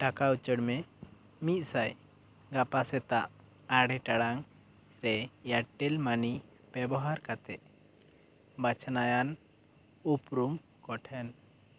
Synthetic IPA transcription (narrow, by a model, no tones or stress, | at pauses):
ʈakaut͡ʃəɽmɛ | mit̪̚ˀsaj | ɡapasɛt̪aʔ | aɽɛʈaɽaŋ | ɾɛjaʈɛlmani | b̥ɛbɔɦaɾkat̪ɛʔ | bat͡ʃʰnajan | upɾum | kɔʈʰɛn